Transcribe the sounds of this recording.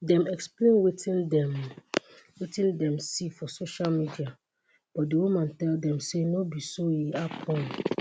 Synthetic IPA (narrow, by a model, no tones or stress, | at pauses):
dɛ̃mɛksplẽnwetĩndɛm | wetĩndɛ̃msifɔsoʃalmidia | b̥ɔt̚dewumãntɛldɛ̃msenobisoiapʰɔ̃n